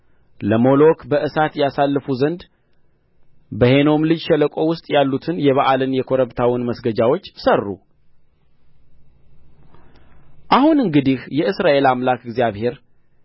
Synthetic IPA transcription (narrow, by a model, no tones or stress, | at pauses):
ləmo̞lo̞kʰbəʔɨsat̪jɛasalːəfuzənd̪ | bəhe̞no̞mlɨd͡ʒʃɛləkʼo̞wʊst̪ʼjalːut̪ʰɨnjɛβaʔalɨnjɛkʰo̞ɾəβt̪ʰawinməsɡəd͡ʒawo̞t͡ʃːsərːṵ | ʔahunɨŋɡɨd̪ihjɛɨsɾaʔe̞lamlakɨɡzjaβhe̞ɾ